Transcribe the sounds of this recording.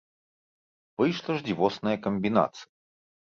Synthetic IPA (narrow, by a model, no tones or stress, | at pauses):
vɨjʂlˠɐʐd͡zʲivɔsnɐjɐkɐmʲbʲina̰t̪sɨ̥jɐ